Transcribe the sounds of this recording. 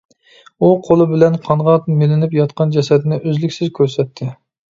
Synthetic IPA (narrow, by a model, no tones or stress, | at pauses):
uqʰolˠɨbɪlɛnqʰɑnʁɑt̪mɪlɪnɪpjɑt̪qʰɑnd͡ʒɛsɛd̪nɪʔøzlɪkʲsɪzkʲʰøɾsɛt̪ʰːɪ